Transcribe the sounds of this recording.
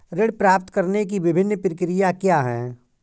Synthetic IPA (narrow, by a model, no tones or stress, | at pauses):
ɾɪɽpɾaːpt̪kəɾnekiʋɪbʱɪnːpɾɪkɪɾɪjakjaːɦɛ̃ː